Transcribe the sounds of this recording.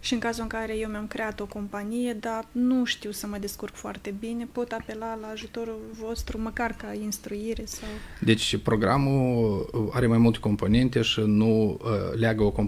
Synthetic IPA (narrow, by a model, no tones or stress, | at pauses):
ʃiɨŋkazuɨŋkaɾe̞je̞wmeamkɾe̞at̪o̞ko̞mpanije̞d̪anuʃt̪iwsəməd̪eskurɡfoa̰rt̪e̞bine̞po̞t̪ape̞lalaːʒut̪o̞ɾuvo̞st̪ɾuməkarkainst̪ɾuiɾe̞sawd̪e̞t͡ʃʲpɾo̞ɡɾamu | a̰ɾe̞majmult̪e̞ko̞mpo̞ne̞nt̪e̞ʃinulʲeaɡəokom